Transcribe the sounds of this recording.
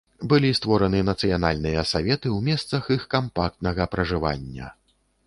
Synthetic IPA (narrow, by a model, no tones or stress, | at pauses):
bɨlʲist̪vɔɾɐnɨnɐt̪sɨjanalʲnɨjɐsavʲɛt̪ɨwmʲɛst̪sɐxixkampak̚t̪nɐɣɐpɾɐʐɨva̰nʲːɐ̰